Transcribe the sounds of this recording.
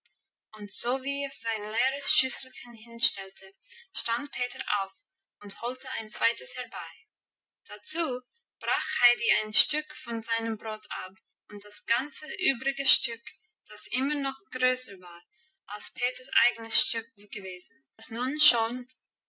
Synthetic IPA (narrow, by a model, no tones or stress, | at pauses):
ʔʊntz̥oːviːɛsz̥aɪnleːɾəsʃʏsl̩ˠçənhɪnʃtɛltʰə | ʃtantpʰeːtə˞ʔa̰ʊf | ʊntholtəã̰ɪnt͡sv̥aɪtəshɛʁbaɪ | d̥at͡suː | b̥ʁaːχhaɪdiaɪnʃtʏkfɔnzaɪnəmbʁoːtʰap | ʊntd̥asɡ̥ant͡səʔyːbʁɪɡəʃtʏk | d̥asʔɪmənɔχɡ̥ɾøːsəvaːʁ | ʔalspʰeːtəsʔa̰ɪɡənəsʃtʏk̚ɡ̥əveːzn̩ | snunʃɔln